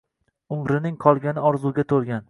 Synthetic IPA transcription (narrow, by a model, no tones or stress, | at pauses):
ʊmɾɪnɪŋqʰɒlˠɡʲanɪɒɾzuɡʲat̪ʰolˠɡʲan